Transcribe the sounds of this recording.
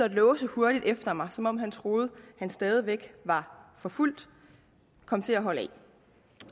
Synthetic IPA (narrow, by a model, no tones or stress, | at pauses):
æd̥lɔːʊsəho̝ɐɾ̥id̥efd̥ɐmɑ̈ɪsɒ̽mɒ̽mɦænt͡sʰʁo̝ːð̞̩ˠhænsd̥ɛːð̞ˠiʋeɡ̥ʋɑ̈fɒ̽ful̰d̥ | kʰɒ̽mt͡sʰe̝æɦɒ̽ləɛ̰